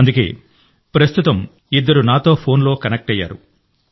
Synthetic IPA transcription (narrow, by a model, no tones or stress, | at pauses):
ɐnd̪uke̞̰ː | pɾɐst̪ut̪ɐm | id̪ːɐɾunaːt̪o̞ːpʰo̞ːnlo̞ːkɐnek̚ʈɐjːa̰ːɾṵ